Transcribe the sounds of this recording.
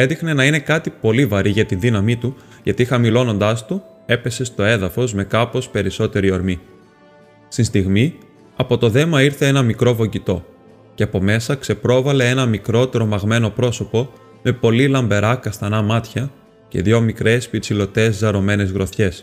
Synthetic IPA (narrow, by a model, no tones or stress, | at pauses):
e̞nðixne̞nɐine̞kɐt̪ipo̞livɐɾiʝɐt̪inðinɐmit̪u | ʝɐt̪ixɐmilo̞no̞nd̪ɐst̪u | e̞pe̞se̞st̪o̞e̞ðɐfo̞zme̞kɐpo̞spe̞ɾiso̞t̪e̞ɾio̞ɾmi | st̪inst̪iɣmi | ɐpo̞t̪o̞ðe̞mɐiɾθe̞e̞nɐmikɾo̞vo̞ɟit̪o̞ | ce̞ɐpo̞me̞sɐkse̞pɾo̞vɐle̞e̞nɐmikɾo̞t̪e̞ɾo̞mɐɣme̞no̞pɾo̞so̞po̞ | me̞po̞lilɐmbe̞ɾɐkɐst̪ɐnɐmɐt̪çɐ | ce̞̰ðʝo̞mikɾe̞spiɾt͡silo̞t̪e̞zːɐɾo̞me̞ne̞zɣɾo̞θçe̞s